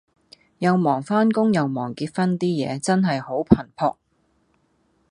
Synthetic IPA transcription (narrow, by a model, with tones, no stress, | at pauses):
jɐ˨˧wmɔː˨˩ŋfaː˥nkʊ˥ŋjɐ˨wmɔː˨˩ŋkiː˧t̚fɐ˥nt̪iː˥jɛ̰ː˨˧t͡sɐ˥nɦɐ˨jho˨˥wpʰɐ˨˩npʰɔː˧k̚